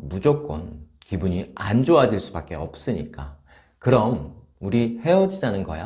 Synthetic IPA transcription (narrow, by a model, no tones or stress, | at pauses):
mud͡ʑok͈ʌ̰n | kibuɲiand͡ʑoadiɭs͈ubak͈e̞ʌp̚s͈ɯɲik͈a | kɯɾʌm | uɾihe̞ʌd͡ʑid͡ʑanɯnɡʌ̰ja